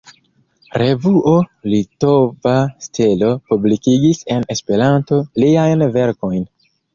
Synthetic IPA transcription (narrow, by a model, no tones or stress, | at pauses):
ɾe̞vuʔo̞lito̞vastʰelo̞publikiɡise̞ne̞spe̞ɾanto̞liajnve̞ɾko̞jn